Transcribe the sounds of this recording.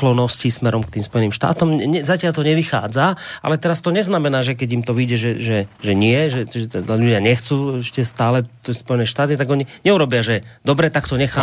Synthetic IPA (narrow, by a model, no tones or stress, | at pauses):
klɔnɔscismɛɾɔmkt̪iːmspɔjɛniːmʃt̪a̰ːt̪ɔmɲɛzacɪaʎt̪ɔɲɛʋixa̰ːd͡zaa̰lɛt̪ɛɾast̪ɔɲɛznamɛnaːʒɛk̬ɛɟimt̪ɔʋiɟɛʒɛʒɛʒɛɲɪɛʒɛʒɛt̪ɛd̪aʎuɟɪaɲɛxt͡suːɛʃcɛst̪aːlɛɔspɔjɛnɛːʃt̪aːt̪̬it̪aɡɔɲiɲɛuɾɔbɪaʒɛd̪ɔbɾɛt̪akt̪ɔɲɛxaː